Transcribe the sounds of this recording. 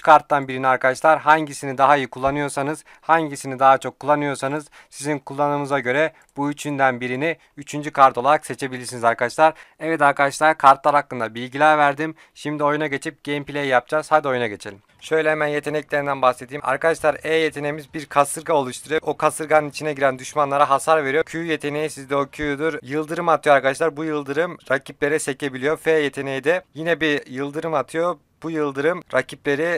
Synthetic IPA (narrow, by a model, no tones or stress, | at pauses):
yt͡ʃkʰaɾt̪ːanbiɾiniaɾkad̪aʃlˠaɾɦaɲɟisinid̪aɦaijikʰulˠːanɯjo̞ɾsanɯz̥ | haɲɟisinid̪aɦat͡ʃʰo̞kʰːulˠːanɯjo̞ɾsanɯz̥ | sizinkʰulˠːanɯmɯzaɟø̞ɾɛ | b̥uyt͡ʃʰynd̪ænbiɾini | yt͡ʃʰynd͡ʒykʰaɾt̪ʰo̞lˠaɾakse̞t͡ʃʰe̞bilʲiɾsinizaɾkad̪aʃlˠaɾɛvɛt̪aɾkad̪aʃlˠaɾkʰaɾt̪lˠaɾhakːɯnd̪abilʲɟilʲæɾvæɾd̪im | ʃimd̪io̞junaɟe̞t͡ʃʰip̚ɟ̥ejimpilʲejjap̚d͡ʒazaːd̪o̞junaɟe̞t͡ʃʰe̞lʲim | ʃø̞jlʲɛhɛmænje̞t̪ʰe̞nɛclʲeɾind̪ænbaxsed̪ʰiːma̰ɾkad̪aʃlˠaɾeje̞t̪ʰe̞nemizbiɾkʰasɯɾɡao̞lˠuʃt̪ʰuɾujookʰasɯɾɡanɯnit͡ʃʰinɛɟiɾænd̪yʃmanlˠaɾaɦasaɾve̞ɾijo̞cʰyjje̞t̪ʰe̞nejisizd̪ɛocʰyjd̪uɾjɯlˠd̪ɯɾɯmat̪ʰɯjoaɾkad̪aʃ̬lˠaɾbujɯlˠd̪ɯɾɯmɾacʰip̚lʲe̞ɾɛse̞cʰe̞bilʲijo̞feje̞t̪ʰe̞nejid̪ɛjinɛbijɯlˠd̪ɯɾɯmat̪ʰɯjo | b̥ujɯlˠd̪ɯɾɯmɾacʰiplʲe̞ɾi